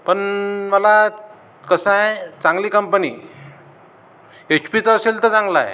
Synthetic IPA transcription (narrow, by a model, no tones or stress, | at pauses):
pəɳməla | kəsãjt͡sãŋɡliːkəmpənḭ | et͡ɕpit͡səɕelt̪ət͡sãŋɡla̰j